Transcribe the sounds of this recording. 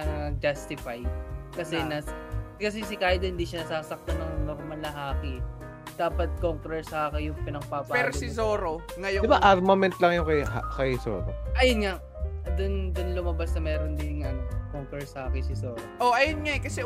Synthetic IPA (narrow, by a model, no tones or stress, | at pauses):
ɐad͡ʒɐst̪ɪfajd̪kɐsɛnɐkɐs̬ɛsɪkajd̪ohɪnd̪iːʃɐnɐsaːsɐk̚t̪ɐnɐŋnoɾmɐnlɐɦaːkɪ | d̪aːpɐt̪̚koŋkɾɛɹsɐʔaːkɐjʊŋpɪnɐɡpaːpapɛɾosɪzoːɾo | ŋɐjod̪ɪbaʔaɾmɐmɛnt̪̚lɐŋjʊŋkɐjakɐjso̰ːɾo̰ʔɐjonŋaʔ | d̪ʊnd̪ʊnlʊmɐbasnɐmɛːɾond̪ɪɐnkoŋkɛɹsɐʔaːkɪsɪsoːɾoʔoʔɐjonŋakɐsɛ